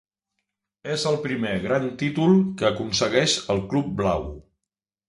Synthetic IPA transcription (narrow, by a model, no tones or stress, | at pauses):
ezəlˠpɾimeɣɾant̪it̪ulˠkəːkunsəɣɛʃəlˠklub̚blaw